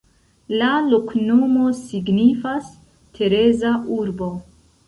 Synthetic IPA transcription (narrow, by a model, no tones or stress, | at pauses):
laloknomo̞siɡnifas | tʰe̞ɾe̞zaʔuɾbo̞